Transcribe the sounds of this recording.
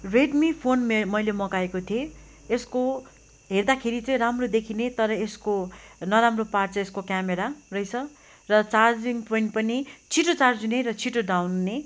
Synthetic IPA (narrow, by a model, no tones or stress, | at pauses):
reɖmipʰonmmʌjlemʌkaekot̪ʰije | esko | ɦerd̪akʰeɾit͡sʌ̃ĩramrod̪ekʰinet̪ʌɾʌeskonʌɾamropart͡sʌeskokjameɾarʌjt͡sʰʌ | rʌt͡sard͡ziŋɡpoiɳʈ̚pʌnit͡sʰiʈot͡sard͡zuneɾʌt͡sʰiʈoɖawnːe